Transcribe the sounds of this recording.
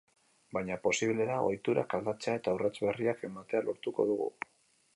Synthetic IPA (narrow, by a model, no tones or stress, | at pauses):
bajɲapo̞siβle̞ɾao̞̰jt̪uɾa̰kald̪at͡seae̞t̪aurat͡sβe̞riake̞mat̪e̞alo̞ɾt̪uko̞̰ðuɣ̞ṵ